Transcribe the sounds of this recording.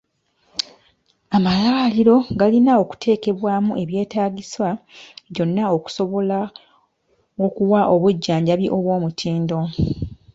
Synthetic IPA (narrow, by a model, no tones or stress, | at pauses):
amalawaliɾo̞ɡalinao̞ku̥tʰe̞ːke̞βwaːmuʔe̞βje̞ːtaːɡiswajo̞nːao̞ku̥so̞βo̞la | okuwaʔo̞βuɟːaːɲɟaβiʔo̞βwo̞ːmutʰiːndo̞